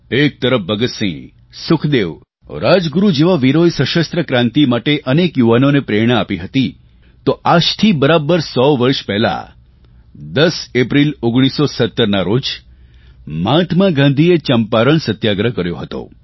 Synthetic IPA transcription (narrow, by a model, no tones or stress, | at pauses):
ek̚t̪əɾəfbəɡət̪sḭ̃ | sʊkʰd̪eʋ | ɾad͡ʒɡuɾud͡ʒeʋaʋiɾojsəʃəst̪ɾəkɾãnt̪imaʈeʔənekjuʋanonepɾeɾɽ̃əapiɦət̪i | t̪oʔad͡ʒt̪ʰibəɾabəɾsɔʋʋəɾʃpɛɦla̰ | d̪əsepɾiloɡɽ̃isosət̪ːəɾnaɾod͡ʒ | mãt̪ʰmaɡãnd̪ʱiet͡ʃəmpaɾəɳsət̪jaɡɾəkəɾjoɦət̪o̰